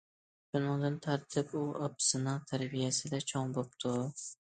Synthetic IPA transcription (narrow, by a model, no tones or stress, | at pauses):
ʃʊnɪŋd̪ɪnt̪ʰaɾt̪ʰɪpuɒpsɪnat̪ʰaɾbɪjasɪd̪at͡ʃʰɒŋbop̚t̪ʰʊ